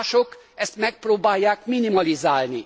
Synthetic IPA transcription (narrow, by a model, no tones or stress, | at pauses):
ʃok | ɛst̪mɛk̚proːbaːjːaːkminimɒlizaːlni